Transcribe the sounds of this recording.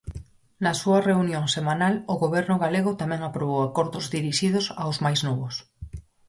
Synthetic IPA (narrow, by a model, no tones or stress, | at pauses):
nasuareunjoŋsemãnaloɣoβ̞eɾnʊɣaleɣ̞ot̪amɛ̃ŋapɾoβ̞owakoɾðozðiɾiʃið̞osa̰wzmajznoβos